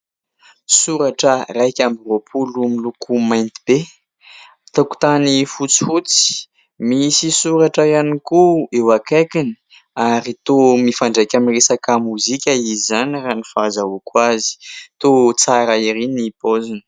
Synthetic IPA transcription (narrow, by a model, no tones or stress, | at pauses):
suɾaʈ͡ʂərajkʲambivopʰulumilukʰumajnt̪i̥b̥e | t̪aku̥t̪anifut͡si̥fut͡si̥ | misisuɾaʈ͡ʂajanikuewakekini̥ | aɾit̪omifaɳɖ͡ʐajkʲamiresakamuzikʲəizizanranifazaukwazi̥t̪ot͡saɾaiɾinipozinə̥